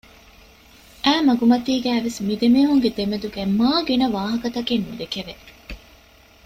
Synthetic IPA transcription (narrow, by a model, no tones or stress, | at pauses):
ʔæːmɐɡumɐt̪iːɡæːʋesmid̪emeːɦuŋɡed̪emed̪uɡæmaːɡenɐʋaːɦɐkɐt̪ɐkenmud̪ekeʋe